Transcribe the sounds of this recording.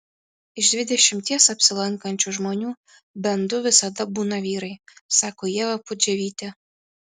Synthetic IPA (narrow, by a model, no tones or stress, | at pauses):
ɪʒd̪ʲʋʲɪd̪ʲɛʃʲɪmt̪ʲɛsɐpsʲɪlˠɑŋkɐnʲt͡ʃuʒmɔnʲu | bʲɛnd̪ʊʋʲɪsɐd̪ɑbunɐʋʲiːɾɐjsɑkojɛʋɐpʊd͡ʒʲɛʋʲit̪ʲɛ